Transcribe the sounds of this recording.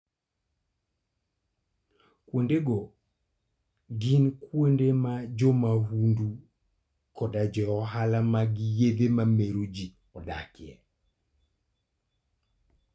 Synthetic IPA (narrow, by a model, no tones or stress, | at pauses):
kwondeɡɔ | ɡinkwondemad͡ʒɔmahundu | kɔdad͡ʒɔɔɦalamaɡijed̪emameɾod͡ʒi | ɔda̰kɪɛ̰